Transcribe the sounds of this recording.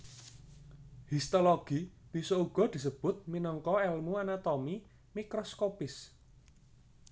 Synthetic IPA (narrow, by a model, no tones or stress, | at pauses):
hist̪oloɡ̥ib̥isɔuɡ̥ɔ̤d̪̥i̤səb̥ʊ̤t̪̚minəŋkɔɛlmuanat̪omi | mikɾɔskopɪs